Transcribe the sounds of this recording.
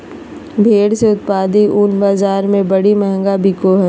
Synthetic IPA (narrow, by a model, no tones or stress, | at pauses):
bʱeːɽseʊt̪̚paːd̪iʔʊnbaːzaːɾmẽbɐɽimɛɦɛ̃ŋɡabɪkoɦɛː